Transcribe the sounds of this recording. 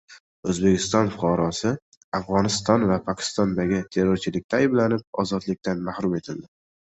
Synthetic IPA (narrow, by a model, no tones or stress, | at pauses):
ɵzbe̞kʲʰɪst̪ɒnfʊqʰɑɾɒsɪ | afʁɒnɪst̪ɒnvapʰɒkʲʰɪ̥st̪ɒnd̪aɡʲɪt̪ʰe̞ɾoɾt͡ʃʰɪlɪk̚ʲt̪ʰaːjɪblanɪp̚ɒ̰zɒt̪lɪk̚ʲt̪ʰanmahɾʊme̞t̪ʰɪld̪ɪ